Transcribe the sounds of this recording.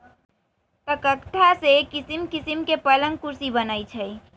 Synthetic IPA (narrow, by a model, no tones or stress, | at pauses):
t̪əkət̪ʰːasekɪsimkisimkepələ̃ŋɡkuɾsibənait͡ʃʰəi